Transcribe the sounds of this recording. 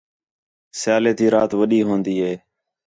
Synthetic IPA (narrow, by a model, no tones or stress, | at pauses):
sɪjaːleːt̪iːɾaːt̪ʋəɗiːɦõːnd̪iːɦeː